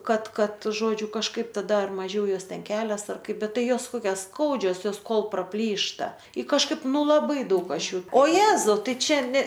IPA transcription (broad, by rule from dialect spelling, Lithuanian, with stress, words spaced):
ˈkɐt ˈkɐt ˈʒoːd͡ʒʲʊ kɐʃˈkɐɪp tɐˈdɐ ɐr mɐˈʒʲɛʊ ˈjoːs ˈtʲɛn ˈkʲæːlʲɛs ɐr ˈkɐɪp ˈbʲɛt ˈtɐɪ ˈjoːs ˈkoːkʲɛs ˈskɐʊd͡ʒʲoːs ˈjoːs ˈkoːlˠ prɐˈpʲlʲiːʃtɐ ɪ kɐʃˈkɐɪp ˈnʊ lˠɐˈbɐɪ ˈdɐʊk ˈɐʃ ˈjuː oː ˈjeːzɐʊ ˈtɐɪ ˈt͡ʃʲɛ ˈnʲɛ